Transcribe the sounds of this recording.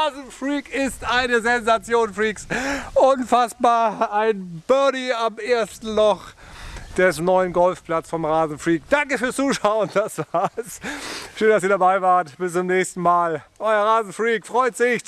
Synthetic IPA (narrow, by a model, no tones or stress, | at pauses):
aːzn̩fʁiːkɪstʔaɪnəzɛnzat͡sjoːnfʁiːksʔʊnfasb̥aːɐaɪnb̥œɐdiamʔeːɐstn̩lɔx | d̥ɛsnɔʏənɡɔlfpl̥at͡sfɔmʁaːzn̩fʁ̥iːkd̥aŋkəfyːɐst͡suːʃaʊənd̥asv̥aːɐsʃøːnd̥asiːɐdabaɪvaːɐtb̥ɪst͡sʊmnɛːçstn̩maːlʔɔʏɐʁaːzn̩fʁiːkfʁ̥ɔʏtz̥ɪç